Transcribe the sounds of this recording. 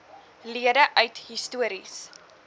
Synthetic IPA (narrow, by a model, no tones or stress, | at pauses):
liədəʔœɥthistuəɾis